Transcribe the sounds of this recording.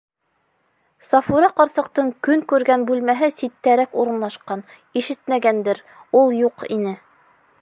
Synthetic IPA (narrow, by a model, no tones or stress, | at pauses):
sɑfuɾɑqɑɾsɤ̆qt̪ɤɴkɵŋkʉɾɡænbʉlmæɦɘsit̪ːæɾækuɾɤ̆nlˠɑʃqɑn | iʃɘt̪mæɡænd̪ɘɾ | ulˠjuqḭnɘ